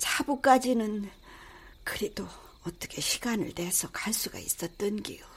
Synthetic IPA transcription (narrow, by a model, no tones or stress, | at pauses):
t͡ɕabuk͈ad͡ʑinɯn | kɯɾed̥o | ʌt͈ʌkʰe̞ɕʰi̥ɡanɯ̰ɭtesʰʌkaɭs͈uɡa̰ḭs͈ʌt̚t͈ɯnɡḭjo